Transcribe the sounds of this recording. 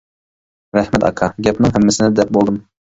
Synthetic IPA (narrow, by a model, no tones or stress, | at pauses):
ɾæhmɛt̪ɑ̰kʰɑɡʲɛpnɪŋɦɛmːɪsɪnɪd̪ɛp̚bolˠd̪ɨm